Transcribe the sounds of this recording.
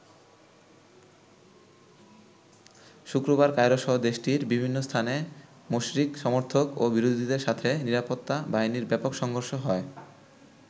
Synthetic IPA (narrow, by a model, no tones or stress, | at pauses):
ʃukɾoβaɾkajɾoʃɔɦod̪eʃʈiɾbibʱinːost̪ʰane | moʃɾikʃɔmoɾt̪ʰokobiɾod̪ʱid̪eɾʃat̪ʰeniɾapot̪ːabainiɾbɛpokʃɔŋɡʱoɾʃoɦɔe